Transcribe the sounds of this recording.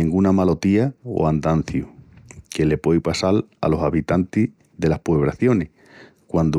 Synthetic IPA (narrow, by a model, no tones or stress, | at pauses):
ĩŋɡunamalo̞t̪iao̰and̪an̟θjukele̞po̞jpasala̰lo̞saβit̪ant̪i | ðe̞lahpoeβ̞ɾaθjo̞neh | kwand̪o